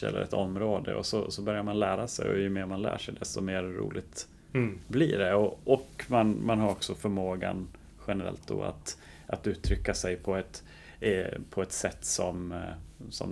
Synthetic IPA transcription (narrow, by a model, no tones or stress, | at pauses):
ɛ̰lːə̰ɾɛ̰t̪ɔmːɾoːd̪əɔ̰sɔsɔbœɾjaɾmanlæːɾasɛjɔ̰jɵmeːɾmanlæ̰ːʂɛjd̪ɛst̪ɔmeːɾɾṵːlɪɡt̪ | bliːɖɛɔɔkmanmanɦaɾɔksɔfœɾmoːɡan | ɧɛnəɾɛ̰lt̪̚d̪ɔ̰a̰t̪ | ʔat̪ʉ̟ːt̪ʰːɾʏkːasɛjpʰɔɛt̪ | pʰɔɛt̪sɛt̪ːsɔm | sɔ̰m